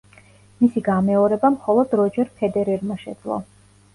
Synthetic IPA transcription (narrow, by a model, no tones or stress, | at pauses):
misiɡamɛɔɾɛbamχɔlˠɔd̪ɾɔd͡ʒɛɾpʰɛd̪ɛɾɛɾmaʃɛ̰d̪zlˠɔ̰